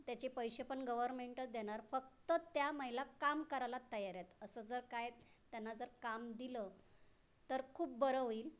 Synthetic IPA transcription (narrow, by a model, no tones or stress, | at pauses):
t̪jat͡ɕepəjɕepəɳɡəʋəɾmeɳʈəd̪eɽ̃aɾfək̚t̪ət̪jaməɦilakamkəɾalat̪əɦjaɾjat̪əsəːd͡zəɾkaj | t̪janːad͡zəɾkamd̪ilə | t̪əɾkʰuːp̚bəɾəʋiːl